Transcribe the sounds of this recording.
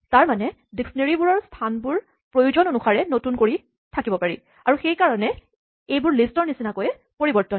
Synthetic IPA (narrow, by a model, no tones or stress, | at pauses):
taɹmanɛ | diksneɹibuɹɔɹstʰanbʊɹ | pɹojuzɔnonuxaɹɛnotunkoɹi | tʰakibɔpaɹi | aɹuxejkaɹɔnɛ | ejbʊɹlistɔɹnisinakɔjɛ | poɹibɔɹtɔn